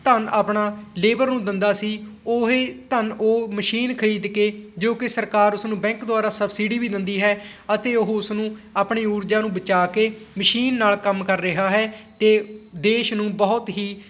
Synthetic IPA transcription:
t̪ənaːpɳaːleːbəɾnũːd̪ɪnd̪aːsiːoɦeːt̪ənoːməʃiːnkʰəɾiːd̪keːd͡ʒoːkɪsəɾkaːɾʊsnũːbɛ̃ːŋkd̪ʊaːɾaːsəbsiːɖiːbiːd̪ɪ̃nd̪iːɦɛːət̪eːʊɦʊsnũːaːpɳeːuːɾd͡ʒaːnũːbət͡ʃaːkeːməʃiːnːaːlkəmkəɾːɪɦaːɦɛːt̪eːd̪eːʃnũːbɔːʊt̪ɦiː

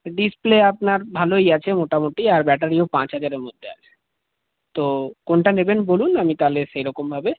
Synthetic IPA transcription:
ɖispleapnaɾbʱalojat͡ɕʰemoʈamoʈiaɾbɛʈaɾiopãt͡ɕɦad͡ʑaɾeɾmod̪ʱːea̰t͡ɕʰe̥ | t̪okonʈanebenbolunamit̪aleʃejɾɔkombʱabe

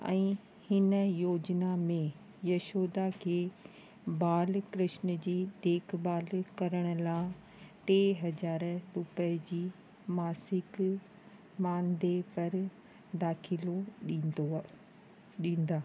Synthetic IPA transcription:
ɛ̰̃ː | hɪnəjoːd͡ʑnamẽ | jɐʃoːd̪akʰeː | baːlkɾɪʃn̆d͡ʑiːd̪eːkʰbaːlkɐɾəɽ̃ʊ̆lãː | ʈeːɦɐzaːɾɾʊpəd͡ʑiː | maːsɪk | maːnd̪epɐɾ | d̪aːkʰɪloo | ɗĩːnd̪aː

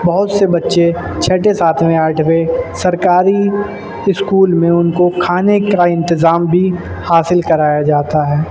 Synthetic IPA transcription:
bɐɦʊt̪sebɐtːʃe | t͡ʃʰɛːʈesaːt̪ʰmẽaːʈʰwesɐɾkaːɾi | ɪskuːlmẽʊnkokʰaːnekaɪ̃nt̪ɪzaːmbʱi | haːsɪlkɐɾaːjad͡ʒaːt̪aɦɛː

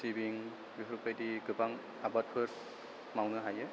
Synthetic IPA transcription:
sibiŋ | biɦɾupajdiɡɯbaŋ | abat̚pʰɯɾ | mawnɯɦajɯ

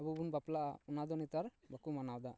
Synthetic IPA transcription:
abubunbaplaʔa̰unad̪ɔnit̪aɾbakumanawd̪a

